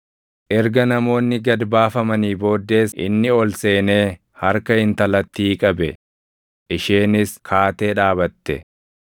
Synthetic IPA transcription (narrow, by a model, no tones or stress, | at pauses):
ʔɛɾɡɐnɐmo̞ːnːɪɡɐd̪baːfɐmɐniːbo̞ːd̪ːe̞ːsʔɪ̰nːɪɔlse̞ːne̞ː | hɐɾkɐɪnt̪ɐlɐt̪ːiːkʼɐbɛ | ʔɪʃeːnɪskʰaːt̪e̞ːᶑaːβɐt̪ːɛ̰